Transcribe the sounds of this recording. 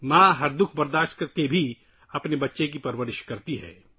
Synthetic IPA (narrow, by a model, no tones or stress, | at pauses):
mãːɦɐɾd̪ʊkʰbɐɾd̪aːʃt̪kɐɾkebʱi | ɐpnebɐtːʃek̬ipɐɾwəɾɪʃkɐɾt̪iɦɛ̰ː